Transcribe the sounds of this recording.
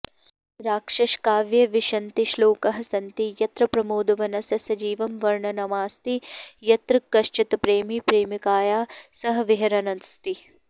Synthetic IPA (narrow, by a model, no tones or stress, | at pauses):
ɾaːkʂɐʃkaːʋjɐʋiʃɐnt̪iʃloːkɐɦɐ̆sɐnt̪ijɐt̪ɾɐpɾɐmoːd̪ɐʋɐnɐsɐsɐd͡ʒiːʋɐmʋɐɾɳɐnɐmaːst̪ijɐt̪ɾɐkɾɐʃt͡ʃit̪ɐpɾeːmipɾeːmikaːjaːsɐɦɐʋiɦɐɾɐnɐnst̪i